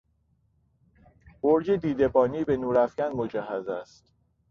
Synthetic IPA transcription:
b̥oɾd͡ʒed̪iːd̪e̞bɒːniːbe̞nuːɾæfɟænmod͡ʒæɦːæzæst̪

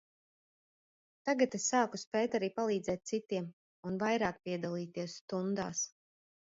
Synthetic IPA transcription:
t̪aɡat̪esːaːkuspɛːjt̪aɾiːpalˠiːd̪zɛːt̪̚tsit̪iɛm | unvajɾaːk̚piɛd̪alˠiːt̪iɛsst̪und̪aːs

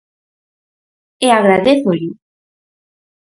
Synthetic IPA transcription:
eaɣɾaðeθoʎu

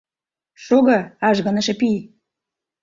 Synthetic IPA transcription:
ʃoɣɤ̆ɑʒɣɤ̆nɤ̆ʃĕpij

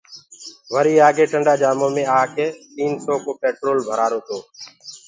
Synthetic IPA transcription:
ʋəɾiːaːɡeːʈəɳɖaːd͡ʒaːmoːmẽːaːkʰeːt̪iːnsɔːkoːpeːʈɾoːlbʱəɾaːɾoːt̪oː

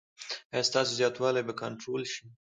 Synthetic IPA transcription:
ast̪ɑsezjɑt̪wɑlajbakaɳʈɾolʃi

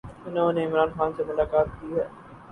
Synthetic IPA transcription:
ʊnẽʊnẽɪmɾaːnxaːnsemʊlaːkaːt̪̚kiːɦɛː

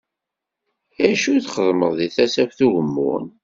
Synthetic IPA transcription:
æʃuθχəðˤməðˤðiθæsækʷθuʝəmːʊ̰n

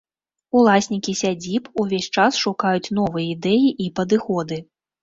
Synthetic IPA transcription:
ulˠasʲnʲikʲisʲad͡zʲipuvʲesʲt͡ʂasʂukajut͡sʲn̪ɔvɨjɐid̪ɛjiʔipɐd̪ɨxɔd̪ɨ

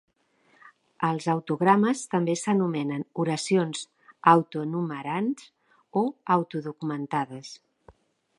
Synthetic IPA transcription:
əlˠzawt̪uɣɾaməst̪əmbesənumɛnənuɾəsionz | awt̪uənuməɾanz | oawt̪uðukumənt̪aðəs

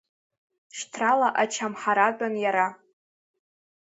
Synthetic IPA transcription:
ʃtʰralaʔat͡ʃʰamħaɾad͡ʒʷʼanjaɾa

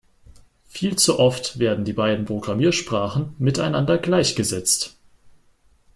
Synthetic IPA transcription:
fiːlt͡suʔɔftv̥eːɐdn̩diːbaɪdn̩pʁ̥oɡʁamiːɐʃpʁ̥aːχn̩mɪtaɪnandɐɡlaɪçɡ̥əzɛt͡st

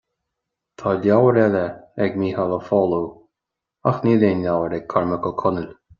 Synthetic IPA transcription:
t̪ʰɑːlʲjawəɾɛləɛɡmiːhaləfɔlu | axniːleːnlʲawəɾɛɡ̚kʰaɹməkəkʰʊnəl

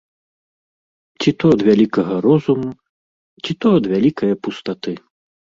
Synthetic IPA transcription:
t͡sʲit̪ɔd̪vʲalʲikɐɣɐɾɔzumu | t͡sʲit̪ɔd̪vʲalʲikɐjɐpust̪at̪ɨ

